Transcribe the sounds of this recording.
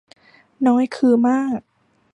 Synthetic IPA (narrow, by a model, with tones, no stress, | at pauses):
nɔː˦˥jkʰɯː˧maː˥˩k̚